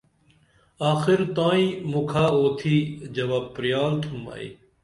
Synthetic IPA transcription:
aːxɪɾt̪ãːĩːmukʰaːoːt̪ʰiːd͡ʒɐʋaːpɾɪjaːlt̪ʰuma̰ːḭː

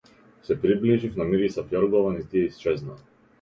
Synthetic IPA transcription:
sɛpɾibliʒifnamiɾisapjɔɾɡɔvanit̪iɛist͡ʃɛzna

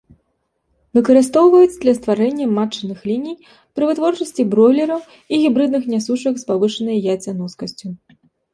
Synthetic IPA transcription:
vɨkɐɾɨst̪ɔwvɐjut͡s̪ʲd̪lʲɐst̪vaɾɛnʲːɐmat͡ʂːɐnɨxlʲinʲij | pɾɨvɨt̪vɔrt͡ʂɐsʲt͡sʲibɾɔlʲɛɾɐw | iɣʲibɾɨd̪̚nɨxnʲasuʂɐkspavɨʂɐnɐjɐjat͡sʲɐnɔskɐsʲt͡sʲu

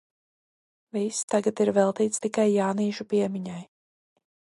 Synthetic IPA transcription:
vist̪aɡat̪iɾvɛlˠt̪iːt̪st̪ikajːaːniːʃupiɛmiɲaj

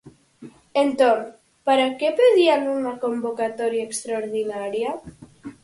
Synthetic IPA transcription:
ent̪on | paɾakepeðianunakombokat̪ɔɾjaekst̪ɾaoɾðinaɾja

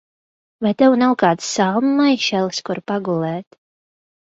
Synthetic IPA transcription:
vajt̪ɛwnawkaːd̪sːalˠmmajʃɛlˠskuɾpaɡulˠɛːt̪

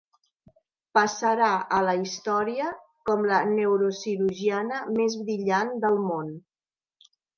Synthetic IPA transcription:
pəsəɾaʔələist̪ɔɾiə | kɔmlənəwɾosiɾuʒianəmezβɾiʎand̪əlˠmon

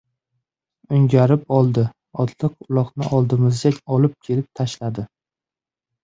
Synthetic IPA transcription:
ʊŋɡʲaɾɪpɒlˠd̪ɪ | ɒt̪lˠɨqʊlˠɒqnɪʔɒlˠd̪ɪmɪzd̪ekʲɒlɪp̚kʲʰe̞lɪp̚t̪ʰaʃlad̪ɪ

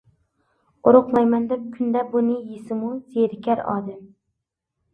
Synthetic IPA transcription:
ʊɾʊqmɑjmɛnd̪ɪp̚kʲʰynd̪ɛbunɪjisɪmuzeɾɪkʲʰæɾɑ̰ːd̪ɪm

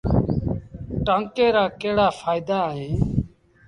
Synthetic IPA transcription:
ʈãːŋkeːɾaːkeːɽaːfʰaːɪd̪aːɦẽː

